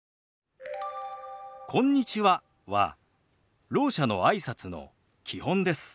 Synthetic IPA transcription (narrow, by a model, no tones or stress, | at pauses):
kʰõ̞ɲ̟ːit͡ɕiβa | βa̰ | ɾo̞ːɕano̞̰aisat͡sɨno̞̰ | kʲʰihõ̞nd̪e̞sɨ̥